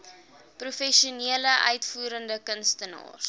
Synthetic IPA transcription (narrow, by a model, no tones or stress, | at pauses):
prufɛʃuniələʔœ̰ɥtfuːɾəndəkənstənɑ̰ːr